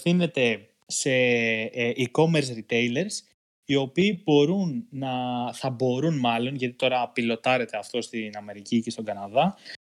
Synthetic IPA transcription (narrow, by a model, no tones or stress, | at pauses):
θine̞t̪e̞ | se̞ | ʔiko̞me̞ɾs̬ɾit̪e̞jle̞ɾs | io̞piːb̥o̞ɾunːɐθɐbo̞ɾunmɐlo̞nʝɐt̪it̪o̞ɾɐːpilo̞t̪ɐɾe̞t̪e̞ɐft̪o̞st̪inɐme̞ɾicice̞st̪o̞ɡɐnɐðɐ